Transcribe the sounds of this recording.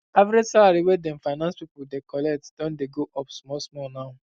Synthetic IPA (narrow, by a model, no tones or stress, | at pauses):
avɾed͡ʒsalaɾiwedɛ̃mfaɪnãnspipuldekɔlɛk̚td̥ɔ̃ndeɡoʔɔpsmɔsmɔnaʊ